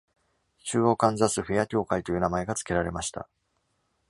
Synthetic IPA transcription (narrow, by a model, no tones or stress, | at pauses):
t͡ɕɨːokãnd͡zasɨɸɯ̟jakʲo̞ːkait̪o̞jɯ̟ːnamae̞ɡat͡sɨ̥ke̞ɾaɾe̞maɕi̥t̪a̰